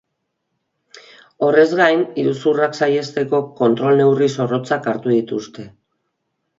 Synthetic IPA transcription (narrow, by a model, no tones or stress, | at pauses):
o̞re̞zɣajniɾusuraksaje̞st̪e̞ko̞ko̞nt̪ɾo̞lne̞wriso̞ro̞t͡sakaɾt̪uðit̪ust̪e̞